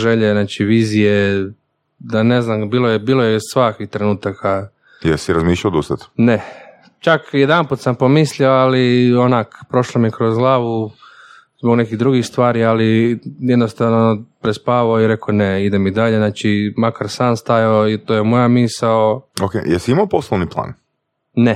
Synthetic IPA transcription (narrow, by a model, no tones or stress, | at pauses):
ʒeʎeznaːt͡ʃiʋiːzije | d̪ane̞znambiːlojebiːlˠojessʋakʋixt̪ɾe̞nuːt̪akʰa | jelsiɾazmiːʃʎaod̪ust̪at̪ne | t͡ʃakjed̪amput̪sampo̞misʎioalionakpɾo̞ʃlomikɾo̞zɡlˠaːʋu | zboɡnekiɣd̪ɾuɡixst̪ʋaːɾialijed̪nost̪aʋnopɾespaːʋaoiɾe̞koneid̪emid̪aʎenaːt͡ʃimakaɾsaːnst̪ajaoit̪ojemojamisaookḛjḛlsiimaoposlˠoʋniplˠa̰ːn | ne